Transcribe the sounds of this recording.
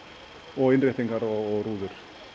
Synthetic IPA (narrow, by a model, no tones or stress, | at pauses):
ɔɪnrɪht̪ɪŋkaɾɔːɾuːðʏɾ̥